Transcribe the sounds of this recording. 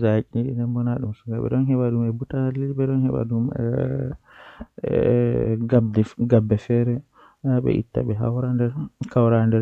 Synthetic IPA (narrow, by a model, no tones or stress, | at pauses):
zat͡ʃʼinɗḭndɛmbɔnaɗumsuɡaɓɛ̰ɗɔnɦɛɓaɗumɛbutanaliɓɛɗɔnhɛɓa̰ɗumɛ̰ | adɡabːɛfɛɾɛ | aɓɛ̰ʔḭtːa̰ɓɛɦa̰wɾandɛɾkawɾandɛɾ